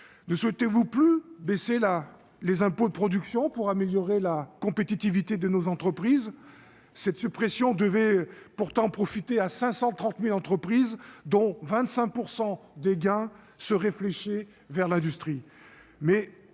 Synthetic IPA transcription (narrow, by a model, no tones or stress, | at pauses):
nəswɛt̪evuplybesela | lezɛ̃pod̪əpχɔd̪yksjɔ̃puʁameljɔʁelakɔ̃pet̪it̪ivit̪ed̪ənozɑ̃t̪χəpχiz | sɛt̪sypχesjɔ̃d̪əvɛpuʁt̪ɑ̃pχɔfit̪easɛ̃sɑ̃t̪χɑ̃t̪milɑ̃t̪χəpχizd̪ɔ̃vɛ̃t̪sɛ̃k̚puʁsɑ̃d̪eɡɛ̃ | səʁefleʃe | vɛʁlɛ̃d̪yst̪χi | mɛ